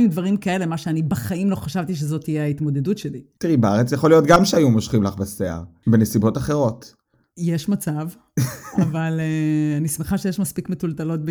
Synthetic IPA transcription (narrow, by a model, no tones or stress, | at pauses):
jud̪vaʁimkae̞le̞maʃeanibaχaimlo̞χaʃavt̪iʃ̬ezo̞t̪ijeait̪mo̞d̪e̞dutʃe̞lit̪iʁibeaʁet͡sjaχolijotɡamʃeajumoʃχimlaχbasea̰ʁbenesibo̞taχe̞ʁo̞t | jeʃmat͡sav | avaleanismeχaʃejeʃmaspikmetultalo̞t̚b